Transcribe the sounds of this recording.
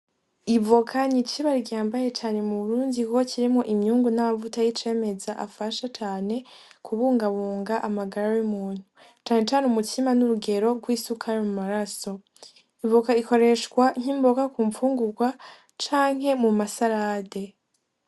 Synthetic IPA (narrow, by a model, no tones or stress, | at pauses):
ivokʰanit͡ʃiβaɾiɡaːmbaje̞t͡ʃaːne̞muβuɾuːndikukociɾimŋo̞ʔimɲuːŋɡunamavutajit͡ʃe̞ːme̞zaʔa̰faʃat͡ʃaːne̞ | kʰuβuːŋɡaβuːŋɡaʔamaɡaɾajumuːn̥hu | t͡ʃaːne̞t͡ʃaːnumutʰimanuɾuɡe̞ɾo̞ɡwiːsukʰaɾimumaɾaso̞ | ivokaiko̞ɾe̞ʃkwaŋ̥iːmbo̞kakuːɱfuːŋɡuɡwa | t͡ʃaːŋ̥ɦe̞mumasaɾaːde̞